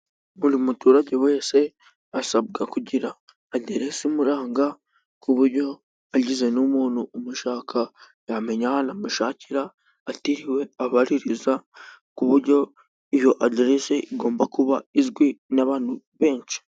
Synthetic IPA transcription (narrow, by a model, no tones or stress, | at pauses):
muɾimutuɾaɟe̞we̞ːse̞ | asabɡakuɟiɾaː | ɟeɾe̞simuɾaːŋɡa | kʰuβuɾɟo̞ | aɟize̞numuːnuumuʃaːkʰa | jame̞ɲahanamuʃaːciɾaː | tiɾiwe̞aβaɾiɾizakuβuɾɟo̞ | ijo̞ʔaɟeɾeseʔiɡo̞ːmbakuβaizɡwinaβaːn̥huβe̞ːɲt͡ʃi̥